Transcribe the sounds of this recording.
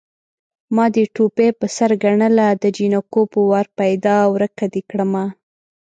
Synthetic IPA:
mɑd̪əʈopepəsaɾɡaɳəlad̪əd͡ʒinakopəwɑɾpajd̪ɑwɾəkad̪ekɽəma

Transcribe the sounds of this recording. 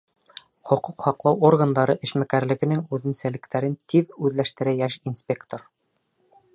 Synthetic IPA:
χŏquqhɑqlˠɑworɡənd̪ɑɾɤʔɘ̆ʃmækæɾlɘ̆ɡɘ̆nɘŋʉðɘ̆nsælɘ̆kt̪æɾɘnt̪iðʉðlæʃt̪ɘ̆ɾæjæʃinsʲpʲe̞kt̪or

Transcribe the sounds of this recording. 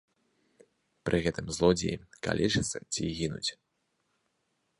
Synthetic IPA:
pɾʔɨɣɛt̪ɨmzlˠɔd͡zʲiika̰lʲɛt͡ʂɨt̪sːɐt͡sʲiɣʲinut͡sʲ

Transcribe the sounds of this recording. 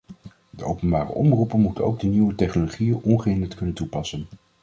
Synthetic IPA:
d̥əowpənbaːrə̰ʔɔmrupənmutəno̰wɡ̚dəniwətɛχnoloχijənʔɔnχəɪndəɹtkɵnəntupɑsən

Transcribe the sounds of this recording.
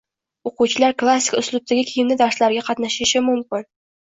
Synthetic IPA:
oquwt͡ʃʰɪlaɾklˠasʲːɪ̥kʲʊslˠʊb̚t̪ʰaɡʲɪkʲʰɪjɪmnɪd̪aɾslaɾɡʲaqʰɑt̪naʃɪʃɪmʊmkʲɪn

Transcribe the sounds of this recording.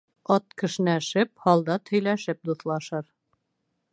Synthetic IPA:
ɒt̪̚kɘ̆ʃnæʃɘp̚hɑlˠd̪ɑt̪ʰɵ̆jlæʃɘp̚d̪uθlˠɑʃɤɾ

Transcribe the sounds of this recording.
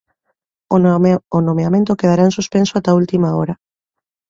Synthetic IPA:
onomeamẽnt̪okeð̞aɾansuspensoat̪ault̪imaoɾa

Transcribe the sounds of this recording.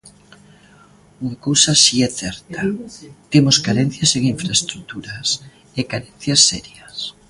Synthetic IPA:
uŋakowsasiɛθɛɾt̪at̪emoskaɾɛn̟θjɐseŋiɱfɾaest̪ɾut̪uɾɐs | ekaɾɛn̟θjɐsːɛɾjɐs

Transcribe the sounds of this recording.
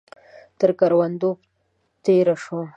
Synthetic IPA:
t̪əɾkaɾwand̪op | t̪eɾaʂo

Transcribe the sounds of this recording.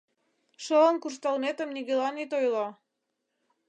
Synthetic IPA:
ʃɤlə̆nkurʃt̪ɑlnet̪ə̆mniɣelɑnit̪ojlɑ

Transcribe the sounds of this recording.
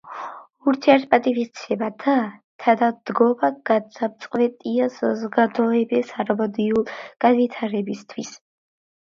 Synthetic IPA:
uɾt̪ʰiɛɾt̪̚ʰpʼat̪ʼivist̪sʰɛbad̪at̪ʰad̪ad̪̥ɡɔmaɡasapt̪sʼqʼvɛt̪ʼiasazɔɡad̪ɔɛbɛsaɾɔbɔd̪iulɡ̥anvit̪ʰaɾɛbist̪ʰwis

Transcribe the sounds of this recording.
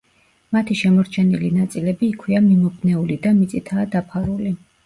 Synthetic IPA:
mat̪ʰiʃɛmɔɾt͡ʃʰɛnilinat̪sʼilɛbiːkʰwiamimɔbnɛulid̪amit̪sʼit̪ʰaːd̪apʰaɾuli

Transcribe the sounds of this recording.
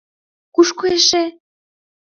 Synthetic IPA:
kuʃkueʃe

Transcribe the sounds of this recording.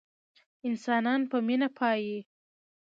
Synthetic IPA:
ɪnsɑnɑnpəminapʰɑji

